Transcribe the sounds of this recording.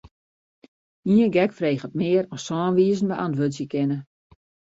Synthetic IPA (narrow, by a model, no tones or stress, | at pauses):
iənɡɛkfreːχət̚mɪːəɾɔssɔːnʋiːzn̩bɛʔantʋøzjəkɪnə